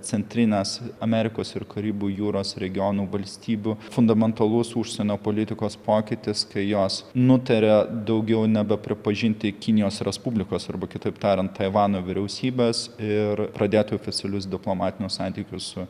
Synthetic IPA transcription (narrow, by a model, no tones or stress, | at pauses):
t͡s̪ʲɛnʲt̪ʲɾʲɪnʲeːsɐmʲɛɾʲɪkoːsɪɾkʰɐɾʲiːbuːjuːɾoːsɾʲɛɡʲɪjoːnuːʋɐlʲsʲt̪ʲiːbʲuːfʊnd̪ɐmʲɛnt̪ɐlˠʊsuʃʲsʲɛnʲoːpoːlʲɪt̪ʲɪkoːspoːkʲɪt̪ʲɪskɐɪjoːsnʊt̪ɐɾʲɛd̪ɐʊɡʲɛʊnʲɛbʲɛpʲɾʲɪpɐʒʲɪnʲt̪ʲɪkʲɪnʲɪjoːsɾʲɛspubʲlʲɪkoːsɐ̰ɾbɐkʲɪt̪ɐɪpt̪ɑːɾʲɛnt̪t̪ɐɪʋɑːnoːʋʲɪɾʲɛʊsʲiːbʲeːsɪɾpɾɐd̪ʲeːt̪oːfʲɪt͡sʲɐlʲʊs̬d̪ʲɪplˠoːmɑːt̪ʲɪnʲʊsɑˑnʲt̪ʲiːkʲʊssʊ